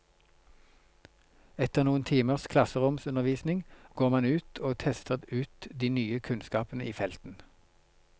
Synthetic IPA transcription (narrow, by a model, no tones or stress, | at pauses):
ɛt̪əʁnuːənt̪ʰiːməʁskʰlɑsəʁʊmsʉnəʁʋiːsnɪŋɡ̥oːʁmɑnʉːt̪ʰoːt̪ʰɛst̪əʁʉːt̪d̪iːnyːəkʰʉnskɑːpənəʔiːfɛlt̪n̩